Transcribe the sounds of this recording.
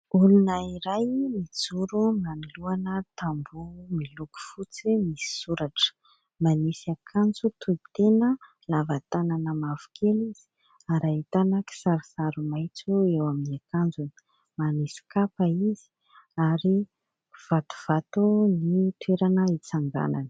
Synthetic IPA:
ulunəiɾajmit͡suɾunaniluanət̪ambumiluku̥fut͡simisi̥suɾaʈ͡ʂə̥ | manisiakʰand͡zut̪ui̥t̪enə | lavat̪ananəmavu̥kʰeliz̥i̥ | aɾait̪anəki̥saɾusaɾumajt͡suewaminiakand͡zun | manisi̥kapaiz̥i̥ | aɾi | v̥at̪u̥v̥at̪unit̪weɾanəit͡saŋɡa̰nanə̥

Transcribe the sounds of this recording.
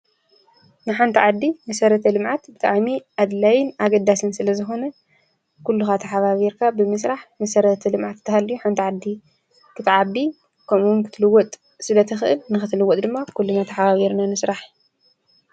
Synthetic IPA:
nɨħant̪ʰiʕad̪ːimɐsɐɾɐt̪ʰɐlɨmʕat̪bɨt̪ʼaʕmiʔad̪lajɪnaɡɐd̪ːasɨnsɨlɐzɨxo̞nɐ | kulːuxat̪ʰɐħaβaβiɾkʰabɨmɨsɾaħmɐsɐɾɐt̪ʰɐlɨmʕat̪t̪ʰːɐhalːɨjuħant̪ʰiʕad̪ːi | kʰɨt̪ʰiʕabi | kʰɐmumkʰɨ̥t̪ʰɨlɨwɔt̪ʼ | sɨlɐt̪ʰɐxɨʔɨlnɨxɨt̪ʰɨlɨwːɔt̪ʼd̪ɨmːakʰulːunat̪ʰɐħaβaβiɾnanɨsɾaħ

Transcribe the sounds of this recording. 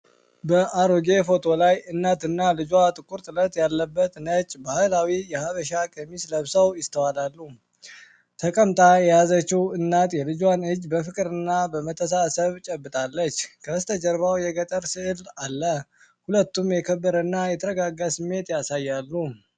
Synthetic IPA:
bəʔaɾoɡe̞fo̞t̪ʰo̞lajɨnːat̪ɨnːalɨd͡ʒwat̪ʼɨkʼuɾt̪ʼɨlət̪ʼjalːəbːət̪nət͡ʃʼːbahalawijɛhaβəʃakʼəmisləβsəwjɪst̪ʰəwalalːu | t̪ʰəkʼəmt̪ʼajɛjazət͡ʃːiwɨnːat̪jɛlɨd͡ʒwanɨd͡ʒːbəfɨkʼɾɨnːabəmət̪ʰːəs̬asəβt͡ʃʼɛbːɨt̪ʼalːət͡ʃːkʰəst̪ʰəd͡ʒəɾβawjɛɡət̪ʼəɾsɨʔɨlalːə | hulət̪ːumjɛkʰəbːəɾənːajɛt̪ʰəɾəɡaɡasɨmːe̞t̪jasajːalːu

